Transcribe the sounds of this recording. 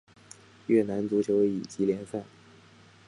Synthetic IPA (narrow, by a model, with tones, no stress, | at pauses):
ɥɛ˥˩na˧˥nt͡su˧˥t͡ɕʰjo˧˥ʊi˨˩t͡ɕi˧˥ljɛ˧˥nsa˥˩n